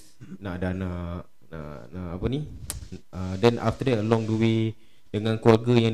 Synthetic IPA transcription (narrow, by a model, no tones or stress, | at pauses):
naʔdana | a̰aapəni | ədɛnʔa̰ft̪ədɛtəlɔŋduwe | dəŋãnkuarɡəjaŋ